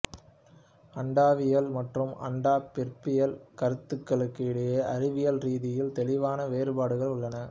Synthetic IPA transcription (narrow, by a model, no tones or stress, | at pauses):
ɐɳɖaːʋɪjɐlmɐʈrɯmɐ̰ɳɖaːpɛrpɪjɐlkɐɾɯt̪ːɯkːɐɭɯkːɯɪɽɐjɐʔɐɾɪʋɪjɐlɾiːðɪjɪlt̪ɛlɪʋaːnɐʋeːɾbaːɽɯɣɐɭʊɭːɐnɐ